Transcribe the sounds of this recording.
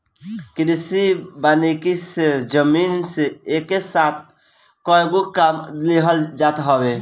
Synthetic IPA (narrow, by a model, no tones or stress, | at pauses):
kɾisibanekisd͡ʒəminseekːesat̪ʰ | kɔeɡokamleɦəld͡ʒat̪ɦɔwe